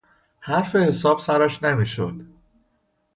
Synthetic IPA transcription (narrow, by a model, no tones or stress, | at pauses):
hæɾfehesɒːb̥sæɾæʃnemiːʃo̰d̪̥